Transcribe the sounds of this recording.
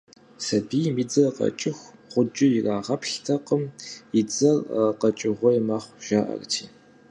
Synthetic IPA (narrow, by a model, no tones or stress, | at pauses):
sɐbiːmiːd͡zɐrqɐ̰t͡ʃʼɪxʷʁʷʊd͡ʒʼɪjɪraːʁɐpʰɬtʰɐqəmɪd͡zʼɐrqɐt͡ʃʼɪʁʷɔjɛmɐχʷʒ̥aːʔɐ̰rtʰiː